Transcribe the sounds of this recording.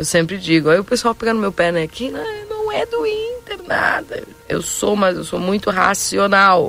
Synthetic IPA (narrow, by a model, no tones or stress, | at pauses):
ewsẽmpɾɪd͡ʒiɡʊaiʊpesuawpeɡɐ̃nʊmewpɛnẽjakinɐ̃w̃nɐ̃w̃ɛd̪ʊĩt̪eɾna̰d̪ɐ̰ | ḛwsomazewsomũj̃t̪ʊɦa̰sionaw